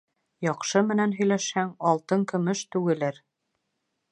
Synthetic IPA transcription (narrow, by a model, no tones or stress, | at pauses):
jɑqʃɤmɘ̆nænɦɵ̆jlæʃhæŋɑlˠt̪ɤŋkɵ̆mɵʃt̪ʉɡɘ̆lɘɾ